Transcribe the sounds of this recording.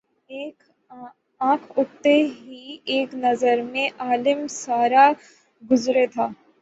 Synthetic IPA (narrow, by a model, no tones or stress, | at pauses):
eːk | ãːkʰʊk̚t̪eɦieːknɐzəɾmẽʔaːlɪmsaːɾa | ɡʊzɾet̪ʰaː